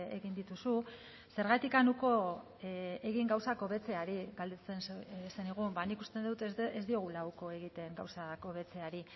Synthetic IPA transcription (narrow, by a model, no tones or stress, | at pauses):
eɣind̪it̪usu | se̞ɾɣat̪ikanuko̞ | e̞ɣiŋɡawsako̞βe̞t͡se̞aɾiɣald̪et͡sensseniɣ̞umbanikust̪end̪ut̪ezd̪io̞ɣ̞ulawko̞e̞ɣit̪e̞ŋɡawsako̞βe̞t͡se̞aɾi